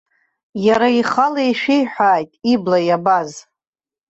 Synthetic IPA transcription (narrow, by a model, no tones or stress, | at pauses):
jaɾaiχalajʃᶣejħʷᶣaːjtʼiblajabaz